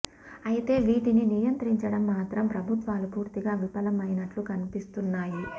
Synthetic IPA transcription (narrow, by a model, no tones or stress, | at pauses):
ɐjit̪e̞ːʋiːʈininijɐnt̪ɾiɲt͡ʃɐɽɐmːaːt̪ɾɐmpɾɐbʱut̪ʋaːlupuːɾt̪iɡaːʋipɐlɐmɐjnɐʈlukɐnipist̪unːaːjui